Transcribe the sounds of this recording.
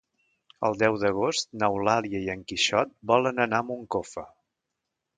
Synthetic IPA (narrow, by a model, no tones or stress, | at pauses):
ə̰lˠd̪ɛwd̪əɣost̪nəwlaliəiəŋkiʃɔt̪̚bɔlənənamuŋkofə